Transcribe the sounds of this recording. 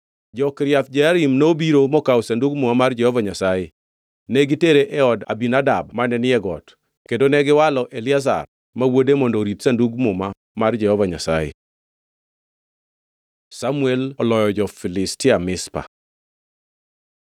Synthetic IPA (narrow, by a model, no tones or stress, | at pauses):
d͡ʒɔkɾjat̪̚d͡ʒaaɾimnobiɾomɔkawsanduɡmʊmamard͡ʒɛhɔvaɲasaje | neɡiteɾeʔɛɔda̰binadabmanɛnɪɛɡɔt | kendonɛɡɪwalɔʔelɪaz̬a̰r | mawodemɔndoɾitsanduɡmʊma | mard͡ʒɛhɔvaɲa̰sa̰jḛ | samuelɔlɔjɔd͡ʒɔfɪlɪstɪamɪspa̰